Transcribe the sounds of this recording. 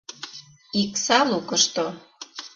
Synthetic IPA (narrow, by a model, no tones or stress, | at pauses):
iksɑlukəʃt̪o